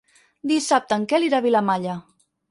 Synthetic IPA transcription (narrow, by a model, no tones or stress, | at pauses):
d̪isap̚t̪əŋkɛliɾaβilamaʎə